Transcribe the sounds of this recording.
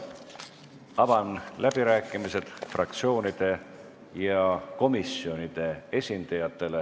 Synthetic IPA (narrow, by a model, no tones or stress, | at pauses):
ɑb̥ɑnlʔæb̥iɾæːkːˑimise̞d̪̥frɑ̰k̚t̪sio̞ːnid̪̥e̞ | jɑko̞misio̞nid̪̥e̞e̞sʲind̪̥ɑjɑt̪ːˑe̞le